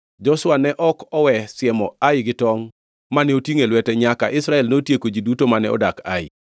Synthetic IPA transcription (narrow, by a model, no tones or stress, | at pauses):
d͡ʒɔswanɛʔɔkɔwɛsɪɛmɔajɪɡɪtɔŋ | manɛotiŋelwɛtɛɲakaʔɪsɾaɛlnotjekod͡ʒidutomanɛ̰ɔ̰daka̰ɪ